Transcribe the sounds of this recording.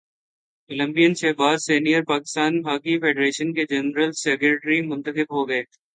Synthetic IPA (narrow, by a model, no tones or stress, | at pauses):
kələ̃mbijənʃɛɦbaːzseːnijəɾpaːkɪst̪aːnbʱaːkifʰeːɖɾeːʃənked͡ʒɛnɾəlsɛːkɾeːʈɾimʊ̃nt̪əxɪbɦoɡɐeː